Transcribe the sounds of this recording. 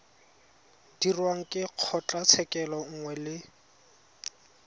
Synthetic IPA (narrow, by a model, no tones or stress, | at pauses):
d̥irwaŋ̩kʼɪq͡χʰɔt͡ɬʼat͡sʰɛkʼɛlɔŋ̩ŋwɛlɪ